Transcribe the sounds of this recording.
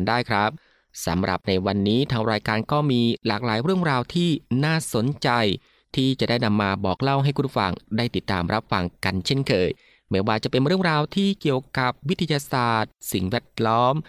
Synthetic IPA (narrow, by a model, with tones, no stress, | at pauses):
ndaː˥˩jkʰɾa˦˥p̚ | sa̰˩˦mɾʔa̰˨˩p̚na˧jwa˧nːiː˦˥t̪ʰaː˧˥ŋɾaː˧jkaː˧nkɔː˥˩miː˧laː˨˩k̚laː˩˦jɾɯ˥˩əŋɾaː˧wt̪ʰiː˥˩naː˥˩so˨˩˦nt͡ɕa˧j | t̪ʰiː˥˩t͡ɕa˨˩daː˥˩jna˧mːaː˧bɔː˨˩k̚la˥˩wɦa˥˩jkʰu˧nfa̰˧ŋdaː˥˩jt̪i˨˩t̪ːa̰ː˧mɾʔa˦˥p̚fa˧ŋka˧nt͡ɕʰe˥˩nkʰɤː˧j | mɛː˨˦˥waː˧t͡ɕa˨˩pe˧nɾɯ˥˩əŋɾaː˧wt̪ʰiː˥˩ki˨˩əwka˨˩p̚wi˦˥t̪ʰːa˧jaː˧saː˨˩t̪̚si˨˩ŋwɛː˥˩t̪̚lɔː˦˥m